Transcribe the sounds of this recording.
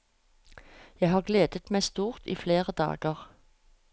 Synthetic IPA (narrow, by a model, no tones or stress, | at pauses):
jæɪhɑːʁɡleːd̪ət̪mæɪst̪uːʁt̪ḭːfleːʁəd̪ɑ̰ːɡəʁ